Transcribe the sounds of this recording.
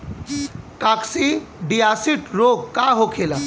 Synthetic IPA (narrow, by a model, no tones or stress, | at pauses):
kaksiɖijasiʈɾoɡkaɦokʰela